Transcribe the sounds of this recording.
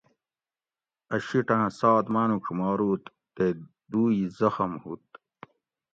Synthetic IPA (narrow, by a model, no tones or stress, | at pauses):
ɐɕiʈãːsɑːd̪maːnukʰumɑːɾuːt̪ːe | d̪uːjizɐxɐmhut̪̚